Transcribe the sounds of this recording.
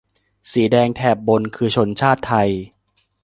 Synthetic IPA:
siː˩˦dɛː˧ŋt̪ʰɛː˨˩p̚bo˧nkʰɯː˧t͡ɕʰo˧nt͡ɕʰaː˥˩t̪ʰːa˧j

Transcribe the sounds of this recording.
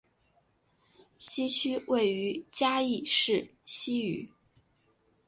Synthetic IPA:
ɕi˥t͡ɕʰy˥we˥˩ɪy˧˥t͡ɕja˥i˥˧ʂɻ̩˥˩ | ɕi˥y̰˨˩˦

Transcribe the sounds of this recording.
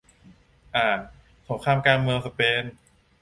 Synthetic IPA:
ʔaː˧˩ | so˩˦ŋkʰaː˧mkaː˧nmɯ˧wsa˧peː˧n

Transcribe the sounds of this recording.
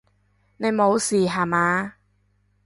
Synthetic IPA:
ne˨˧jmo˨˧wsiː˨˩ɦaː˨˩maː˨˧˦

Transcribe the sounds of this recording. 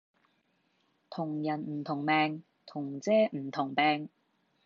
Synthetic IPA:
t̪ʰʊ˨˩ŋjɐ˨˩nm̩˨˩t̪ʰʊ˨˩ŋmɛː˨˧ŋ | t̪ʰʊ˨˩ŋt͡sɛː˥m̩˨˩t̪ʰʊ˨˩ŋpɛː˧ŋ

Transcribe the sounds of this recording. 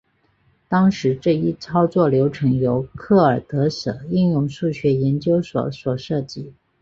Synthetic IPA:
t̪ɑ˥ŋʂɻ̩˧˥ʈ͡ʂɤ˥˩i˥t͡sʰɑ˥ʊt͡swɔ˥˩ljo˧˥ʊʈ͡ʂʰɤ˧˥ŋjo˧˥ʊkʰɤ˥˩ə˞˨˩t̪ɤ˧˥ʂɤ̰˨˩i˥˧njʊ˥˧ŋʂu˥˩ɕɥɛ˧˥jɛ˧˥nt͡ɕjo˥ʊswɔ̰˨˩swɔ˨˩ʂɤ˥˩t͡ɕi˧˥˦

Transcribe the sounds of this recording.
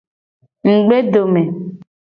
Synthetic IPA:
ŋ̩˨ɡ͡be˦ɖo˨me˨

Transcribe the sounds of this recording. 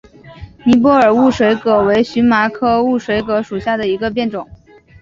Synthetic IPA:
ni˧˥p̬wɔ˥ə˞˨˩u˥˩ʂwe˧˥ɪkɤ˧˩we˧˥ɪɕy˧˥nma˧˥kʰɤ˥˧u˥˩ʂwe˧˥ɪkɤ˧˥ʂu˨˩ɕja˥˩d̪ə˩i˧˥ɡə˧p̬jɛ˥˩nʈ͡ʂʊ˨˩˦ŋ

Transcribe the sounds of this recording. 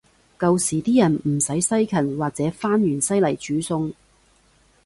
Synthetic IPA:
kɐ˨˧wsiː˨˩t̪iː˥jɐ˨˩nm̩˨˩sɐ˨˥jsɐ˥jkʰɐ˨˩nwaː˨˩k̚t͡sɛː˨˥faː˥njyː˨˩nsɐ˥jlɐ˨˩jt͡ʃyː˨˥sʊ˧ŋ

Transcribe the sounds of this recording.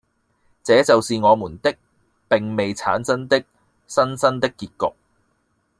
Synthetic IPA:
t͡sɛː˨˧˥t͡sɐ˨wsiː˨ŋɔː˨˧muː˨˩nt̪ɪ˥k̚ | pɪ˨ŋme˨jt͡sʰa̰ː˨˥nsɐ˥nt̪ɪ˥k̚ | sɐ˥nsɐ˥nt̪ɪ˥kːiː˧t̚kʊ˨k̚

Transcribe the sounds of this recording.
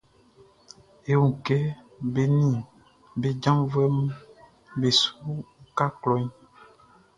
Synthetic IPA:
e˨wo˨kɛ˦ | be˨nĩ˦˨ | be˨˦d͡ʒã˦vɛ˦mũ˦ | be˨su˦ka˦klɔ˨ɲ˦

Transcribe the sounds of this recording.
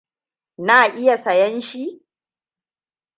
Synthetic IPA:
naː˨ʔɪ˦ja˨sɐ˨jɛ˦nʃi˦

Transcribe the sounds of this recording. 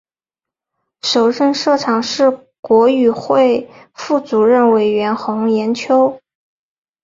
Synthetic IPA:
ʂo˨˩ʊʂə˥˧nʂɤ˥˩ʈ͡ʂʰɑ˨˩ŋʂɻ̩˥˩ | kwɔ˧˥y˨˩xwe˥˧ɪ | fu˥˩t͡su˨˩ɻə˥˩nwe˨˩ɪɥɛ˧˥nxʊ˧˥ŋjɛ˧˥nt͡ɕʰjo˥ʊ

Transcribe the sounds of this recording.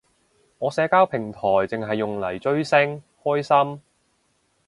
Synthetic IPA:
ŋɔː˨˧sɛː˨˧kaː˥wpʰɪ˨˩ŋt̪ʰɔː˨˩jt͡sɪ˨ŋɦɐ˨jːʊ˨ŋlɐ˨˩jt͡ʃɵ˥ɥsɪ˥ŋ | hɔː˥jsɐ˥m

